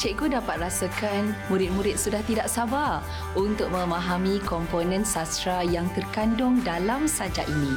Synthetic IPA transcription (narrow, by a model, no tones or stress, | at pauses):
t͡ʃɛʔɡudapat̪̚rasakanmũɾɪt̪̚mũɾɪt̪̚sudaht̪idaʔsaba | unt̪ʊk̚mə̃maɦamikɔmponɛ̃nsast̪ɾajaŋt̪ərkandʊŋdalamsad͡ʒa̰ʔinĩ